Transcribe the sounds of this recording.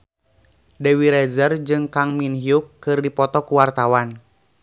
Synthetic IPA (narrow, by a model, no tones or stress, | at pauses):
dɛwiɾɛzərd͡ʒɨŋkaŋminhiukːɨrdipɔt̪ɔkuwart̪awan